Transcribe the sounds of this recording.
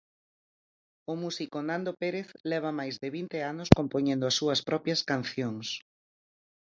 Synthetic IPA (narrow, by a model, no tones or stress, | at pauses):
ʊmusikonand̪opeɾeθlɛβ̞ɐmajzðɪβint̪eanoskompoɲẽnd̪ʊɐsːuɐspɾɔpjɐskanθjoŋs